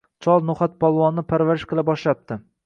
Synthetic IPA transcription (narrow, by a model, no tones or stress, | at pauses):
t͡ʃʰɒlˠnʊχat̪̚pʰɒlˠvɒnːɪpʰaɾvaɾɪʃqɨlˠabɒʃlap̚t̪ʰɪ